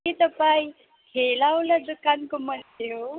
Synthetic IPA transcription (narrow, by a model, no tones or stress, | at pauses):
it̪əpai | kʰelawləd̪ukankomənd̪jo